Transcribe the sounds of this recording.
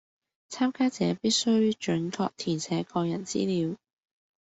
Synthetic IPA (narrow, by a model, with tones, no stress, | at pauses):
t͡sʰaː˥mkaː˥t͡sɛː˨˧piː˥t̚sɵ˥ɥt͡ʃɵ˨˥nkɔː˧k̚t̪ʰiː˨˩nsʰɛː˨˥kɔː˧jɐ˨˩nt͡sḭː˥liː˨˧w